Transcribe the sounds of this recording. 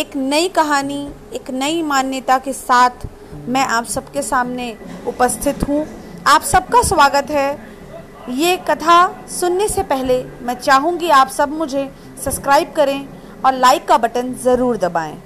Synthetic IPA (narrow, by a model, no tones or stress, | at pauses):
eːknɐikɐɦaːni | eːknɐimaːnjət̪akesaːt̪ʰ | mɛ̃ʔaːpsɐbkesaːmneʊpəst̪ʰɪt̪ɦũaːpsɐb̚kasʋaːɡət̪ɦɛ | jekɐt̪ʰasʊnːesepɛɦlemɛ̃t͡ʃaːɦũɡiaːpsɐbmʊd͡ʒʱe | sɐpskɾaːɪb̚kɐɾẽ | ɔːɾlaːɪkːabɐʈənzɐɾuːɾd̪ɐbaːḛ̃ː